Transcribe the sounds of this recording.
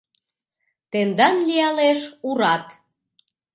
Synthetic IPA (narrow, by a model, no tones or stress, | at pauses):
t̪end̪ɑnlijɑleʃuɾɑt̪